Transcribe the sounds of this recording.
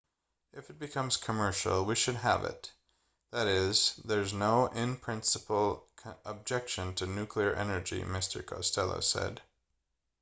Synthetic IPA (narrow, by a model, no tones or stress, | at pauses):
ɨfɨt̚b̥ɨkʰʌ̃mz̥kʰəmɜ˞ʃl̩ˠwiʃɨd̚ə̰vɪ̰t̪̚ | ðɨɾɪzðə˞znoʊʔɪ̃mpʰɹ̥ɪ̃nsəpl̩ˠʰəb̚d͡ʒɛkʃɨ̃ntʰɨnʉkʰliə˞ʔɛ̰nə˞d͡ʒḭmɪstʰə̰˞kʰɑ̰stʰɛlˠo̰ʊsɛ̰d̥